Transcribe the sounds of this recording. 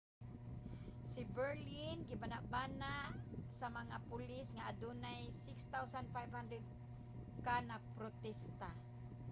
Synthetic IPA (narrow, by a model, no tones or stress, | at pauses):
sibəɾlinɡibanaʔbanaʔsamaŋapulisŋaadunajsɪkst̪awsanfajvhandɾɛd̪̚ | kanapɾot̪ɛst̪a